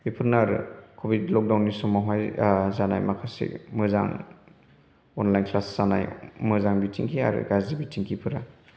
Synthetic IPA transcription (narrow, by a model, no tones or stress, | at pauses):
bipʰɯɾnaɾɯ̰kʰobitlɔk̚dawnːisɔmaɦajzana̰jmakʰasḭmɯza̰ŋ | ɔnlajnkʰlasz̥ana̰jmɯzaŋbitʰiŋkʰia̰ɾɯ̰ɡazdibitʰiŋkʰipʰɯɾa